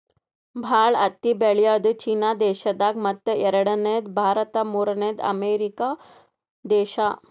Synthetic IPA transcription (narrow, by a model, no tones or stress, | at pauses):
bʱaɭɐt̪ːibeɭijad̪t͡ɕiːnad̪eɕɐd̪akmɐt̪ːəɛɾɽəned̪bʱaːɾət̪amuɾnẽd̪ɐ̰meɾika | d̪eːɕa